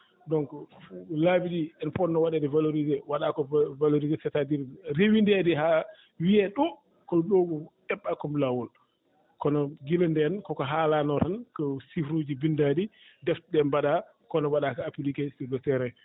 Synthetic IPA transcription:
dɔŋkɔlabiɗiɛnpɔnːɔwaɗɛdɛvaloɾizɛwaɗakɔvaloɾizɛsɛtadiɾɾewindɛdɛɦa | wiɛɗɔ | kɔɗoɡu | ɛɓːakɔmlawɔl | kɔnɔɡilɔndɛnkɔkɔɦalanɔɾankɔsifɾud͡ʒibindadi | dɛftɗɛmbaɗa | kɔnɔwaɗakɔapilikastiɡɔtɛɾɛ

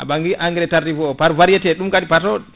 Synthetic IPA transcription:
ʔa̰baŋɡiʔaŋɡiɾɛtaɾdivɔpaɾvaɾjɛtɛɗumkadipatɔ

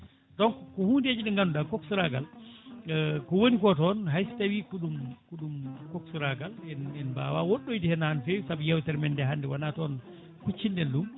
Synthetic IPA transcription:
ɗɔŋkkɔhuːnded͡ʒiɗɛŋɡandudakɔksuɾaɡal | kɔwonikɔtɔnɦajsi̥tawikuɗumkuɗumkɔksuɾaɡalɛnɛnba̰ːwawoɗːojdihɛnahanfejsabijɛwtɛɾmɛndɛɦandɛwanatɔn | kut͡ʃːindɛndum

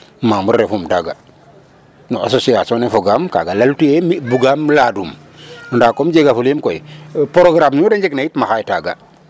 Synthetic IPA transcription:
mamuɾɾefumtaɡa | noa̰sosiasonefoɡamka̰ɡalaltuemibuɡamladum | nɔndakomd͡ʒeɡafulemkoipoɾoɡɾamɲudeɲd͡ʒeknajitmaxajtaɡa̰

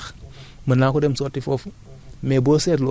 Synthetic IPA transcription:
mənakudemsotːifof | mebosetlo

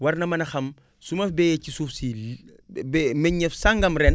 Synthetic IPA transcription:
wɐrnɐmɐnɐxɐm | sumɐfbɛjɛcisuːfsi | bɛmɛɲɲɛfsaŋɡɐmɾɛn

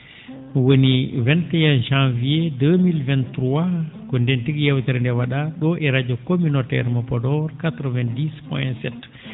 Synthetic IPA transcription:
wonivɛntɛjãnʒãnviedəmilvɛ̃ntɾwakɔndɛntiɡjɛwtɛɾndɛwaɗaɗɔʔɛɾad͡ʒɔkomynotɛ̰ɾmɔpɔdɔɾkat̪ɾɔvɛndispɔjɛnsɛt

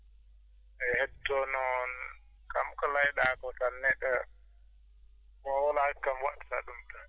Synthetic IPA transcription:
ʔɛhɛtːɔnɔn | kamkɔlajɗakɔtanːɛɗɛ | kɔɔlakamwaɗsa̰ɗumta

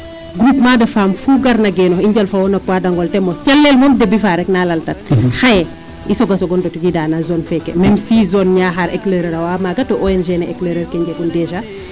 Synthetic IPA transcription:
ɡɾupmadɛfamfuɡaɾnaɡɛnɔxiɲɟalfawɔnɐkwadaŋɡɔltɛmɔsɛlːelmɔmdebifaɾɛknalaltat̚xajɛ | isɔɡasɔɡɔndɔtuɡidaːnazɔnfɛkɛ̰mɛmsizɔnɲaɦaɾɛ̰kleɾeɾawamaɡatɔʔoɛnʒenɛɛkleɾɛɾkɛɲɟekundɛʃa

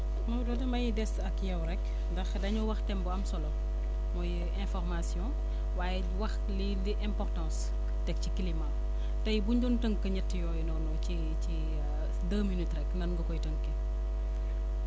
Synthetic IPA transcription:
mɐwdɔdɐmɐjidɛsɐkjɐwɾɛk | ndɐxdɐɲuwɐxtɛmbuɐmsɔlɔm | mɔjiɾɛ̃fɔrmasjɔ̃ | waːjɛ | wɐx | liliʔɛ̃mpɔrtɑ̃s | tɛk̚cikilima | tɐjbuɲdɔntəŋkːɐɲɐtːijɔːjnɔnɔci | i | dɐːminitɾɛknɐnɡɐkɔjtəŋkːɛ

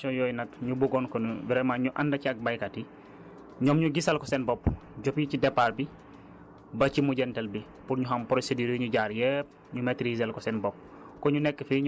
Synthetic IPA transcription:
ɔjɔːjnɐkɲubuɡɔnkɔnuviɾɛmaɲuʔɐndɐciɐk̚bɐjkati | ɲɔːmɲuɡisɐlkɔsɛnbɔpːɟɔpjicidɛpːaɾbi | bɐcimuɟɛntɐlbi | puɾɲuɦɐmpɾosediːɾɲuɟaːɾjɛp̚ | ɲumɛtɾizɐlkɔsɛnbɔp̚ | kɔɲunɛkːəfiɲ

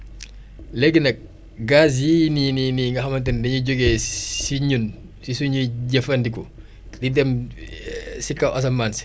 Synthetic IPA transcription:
lɛɡːinɐk̚ | ɡas̬jinininiŋɡɐxɐmɐntɐndɐɲuɟoɡɛːsiɲun | sisuɲuɟɐfɐndikɔ | didɛm | sikːɐʔɔs̬ɐmːaːnsi̥

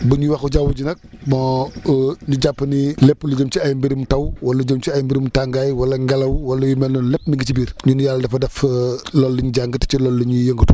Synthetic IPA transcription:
buɲuwɐxuɟawuɟinɐk̚mɔ | ɲuɟapːnilɛpːluɟəmt͡ʃiɐjmbiɾimtɐwwɐluɟəmt͡ʃiajmbiɾimtaŋɡaːjwɐlɐŋɡɐlɐwwɐlujumɛlːɔnlɛpːmiŋɡit͡ʃibiːɾɲunjalːɐdɐfɐdɐflɔlːiɲuɟaŋɡətt͡ʃilɔːlːiɲujəŋɡutu

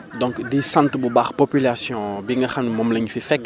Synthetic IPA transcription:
d̪ɔ̃ŋkdesãnt̪bubaʁpopylasjɔ̃bɛ̃ŋɡɐxanmɔmlɐɲfɛfɛk

